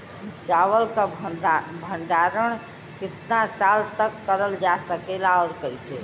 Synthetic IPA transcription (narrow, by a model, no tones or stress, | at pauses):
it͡ʃaʋəlka | bʱəɳɖaɾəɳ̃ | kɪt̪nasalt̪əkːəɾəld͡ʒasəkelaɔːɾkəise